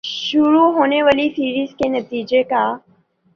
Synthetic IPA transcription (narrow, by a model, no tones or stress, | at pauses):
ʃʊɾuɦoːneʋaːlisiːɾiːzkenɐt̪iːd͡ʒeka